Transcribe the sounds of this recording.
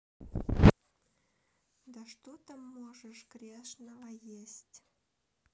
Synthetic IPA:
d̪ɐʂt̪ot̪əmːoʐəʂɡ̥ɾʲeʂnəvəjesʲtʲ

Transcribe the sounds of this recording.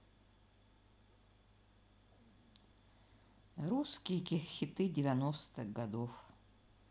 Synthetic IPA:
ɾuskʲijkʲɪxxʲːɪt̪ɨdʲɪvʲanost̪ɨɣɡɐd̪of

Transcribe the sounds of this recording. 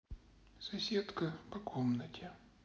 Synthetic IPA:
sɐsʲet̪kəpɐkʰomnətʲɪ

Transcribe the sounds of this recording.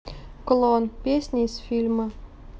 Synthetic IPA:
kolˠonpʲesʲnʲesʲfʲilʲmə̆

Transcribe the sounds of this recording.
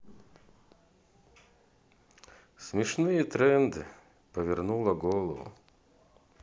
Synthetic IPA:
sʲmʲɪʂnɨjɛt̪ɾɛnd̪ɨ | pəvʲɪrnulˠɐɡɔlˠəvʊ̰

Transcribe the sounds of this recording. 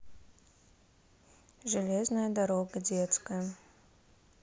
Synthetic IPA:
ʐɨlʲeznəjəd̪aɾoɡədʲet̪skəjə

